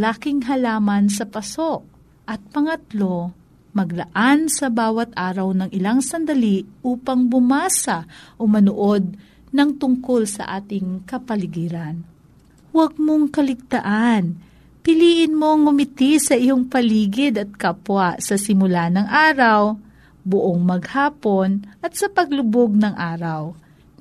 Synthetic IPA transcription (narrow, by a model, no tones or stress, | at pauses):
laːkɪŋɦɐlaːmɐnsɐpɐso̞ʔ | ʔɐt̪̚pɐŋɐt̪lo̞ | mɐɡlɐʔansɐbaːwɐt̪̚ʔaːɾɐwnɐŋɪlaŋsɐnd̪ɐliʔuːpɐŋbʊmaːsɐʔomɐnʊʔo̞d̪̚ | nɐŋt̪ʊŋko̞lsɐ̰ʔaːt̪ɪŋkɐpɐlɪɡiːɾɐn | wɐɡ̚moŋkɐlɪɡ̚t̪ɐʔan | pɪliːʔɪnmo̞ŋːʊmɪt̪isɐʔɪjoŋpɐliːɡɪd̪ɐt̪̚kɐpwaʔsɐsɪmʊlanɐŋʔaːɾɐw | bʊʔoŋmɐɡhaːpo̞nʔɐt̪̚sɐpɐɡlʊboɡ̚nɐŋʔaːɾɐw